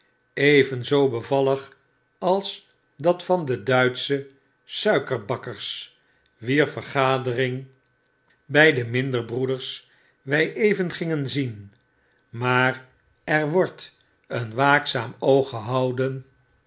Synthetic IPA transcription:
ejvənzowbəvɑləχ | ɑlˠs | dɑtfɑndədœɥtsə | sœɥkəɹbɑkəɹs | ʋiːɹfəɹχaːdərɪŋ | bɛjdəmɪndəɹbrudəɹs | ʋɛjʔejvənχɪŋənzin | maːr | ɛɹʋɔɹt | ənʋaːksaːmowχəɦɑwdən

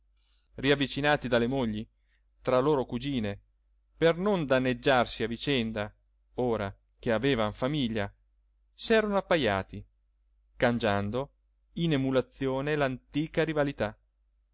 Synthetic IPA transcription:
riavːit͡ʃinaːt̪id̪alːemoʎːi | t̪ɾaloːɾokud͡ʒiːne | pernond̪anːed͡ʒːarsiavit͡ʃɛnd̪a | oːɾa | k̟eaveːvaɱfamiʎːa | sɛːɾonoapːaja̰ːt̪i | kand͡ʒand̪o | inemulat̪sːjoːnelant̪iːkaɾivalit̪a

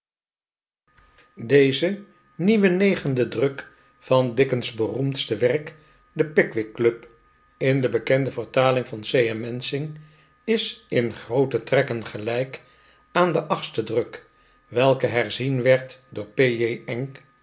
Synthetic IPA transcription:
dejzə | niʋənejχəndədrɵk | fɑndɪkənzbərumtstəʋɛrk | dəpɪkʋɪkːlɵp | ɪndəbəkɛndəvəɹtaːlɪŋvɑnsejɛmɛnsɪŋ | ɪsɪnχrowtətrɛkənχəlɛjk | aːndəʔɑχstədrɵk | ʋɛlˠkəɦɛrzinʋɛɹtdʊːɹpeeɛŋ

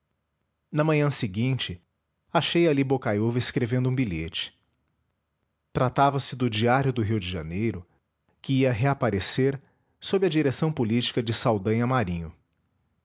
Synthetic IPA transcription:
nɐmɐ̃ɲɐ̃sɪɡĩt͡ʃɪ | aʃejalibokajovɐeskɾevẽnd̪ʊũbiʎet͡ʃɪ̥ | t̪ɾat̪avɐsɪd̪ʊd͡ʒiaɾjʊd̪ʊɦiwd͡ʒɪʒa̰nejɾʊ | kɪiɐɦeapaɾeseɾ | sobɪɐd͡ʒiɾesɐ̃w̃polit͡ʃi̥kɐd͡ʒɪsawd̪ɐ̃jɐmaɾĩɲʊ

